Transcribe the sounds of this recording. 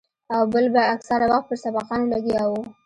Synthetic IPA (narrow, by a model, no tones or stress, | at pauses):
awbəlbaːksaɾawaxt̪̚pəɾsabɑqɑnlaɡiɑawu